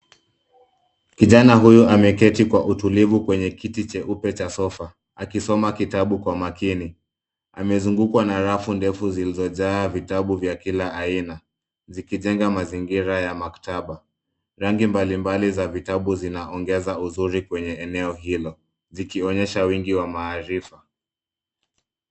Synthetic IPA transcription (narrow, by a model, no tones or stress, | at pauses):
kiʄanaɦujuʔamɛkɛtikwaʔutulivukwɛɲɛkitit͡ʃɛʔupɛt͡ʃasɔfa | akisɔmakitaɓukwamakini | a̰mɛzuŋɡukwanaɾafundɛfuzilizɔʄaːvitaɓuvjakilaaina | zikiʄɛŋɡamaziŋɡiɾajamaktaɓa | ɾaŋɡimbalimbalizavitaɓuzinaɔŋɡɛzauzuɾikwɛɲɛɛnɛɔɦilɔ | zikiɔɲɛʃawiŋɡiwamaːɾifa